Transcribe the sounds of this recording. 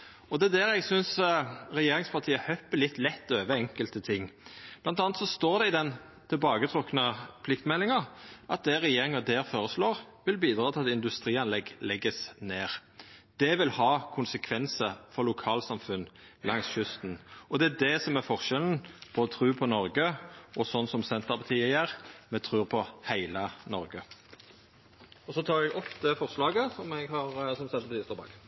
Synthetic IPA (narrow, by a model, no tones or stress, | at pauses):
ɔd̪ɛæd̪æɾɛɡsʏnsɾɛjeːɾɪŋspʰɑʁt̪ʰiːəhœpːəlɪt̪ːlɛt̪ːøːʋəɛŋkəlt̪ət̪ʰɪŋːb̥lɑnt̪ɑːnət̪sɔst̪oːɾd̪ɛɪd̪ɛn | t̪ʰɪlbɑːɡət̪ʰɾɔknəpʰlɪkt̪mɛlːɪŋɑɾʔɑt̪̚d̪ɛɾɛjeːɾɪŋɑd̪æɾfoːɾəsloːʁ | ʋɪlbiːd̪ɾɑːt̪ɪlɑt̪ɪnd̪ʉst̪ɾiːɑnlɛɡlɛɡːəsneːʁd̪̥ɛʋɪlhɑːkʰʊnsəkʰʋɛnsəfɔʁlʊkʰɑːlsɑmfʉn | lɑŋsʃʉst̪nɔd̪ɛæd̪ɛsɔmæɾfɔʁʃɛln̩pʰɔɔt̪ʰʁʉːpʰɔnɔɾɡəʔɔsɔnsɔmsɛnt̪əʁpɑt̪ʰiːəjæʁmɛt̪ʰʁʉːpʰɔhæɪlənɔɾɡə | ɔsɔt̪ʰɑːʁɛɡɔpːd̪ɛfɔʁslɑːɡəsɔmɛɡhɑʁsɔmsɛt̪ːpɔiɪst̪ɔbɑ̰ɡ